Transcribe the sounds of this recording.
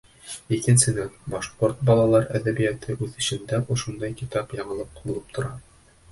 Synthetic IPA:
ikɘ̆nsɘ̆nænbɒʃqoɾt̪̚bɒlˠɑlˠɑɾæðæbijæt̪ɘʔʉðɘ̆ɕɘ̆nd̪æʔŏʃund̪ɑjkit̪ɑpjɑɴɤ̆lˠɤp̚qbulˠɤp̚t̪ʰŏɾɑ

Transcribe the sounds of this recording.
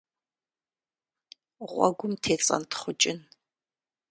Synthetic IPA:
ʁʷɔ̰ɡʷʊmtʰeːt͡sʼɐ̰ntʰχʷʊt͡ʃʼɪn

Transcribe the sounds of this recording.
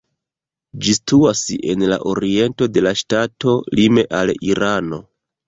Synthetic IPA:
d͡ʒistuase̞nla̰ʔoɾie̞nto̞de̞laʃtato̞lime̞ʔaliɾano̞

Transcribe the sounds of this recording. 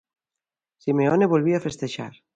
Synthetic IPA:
simeoneβolβiafest̪eʃa̰ɾ

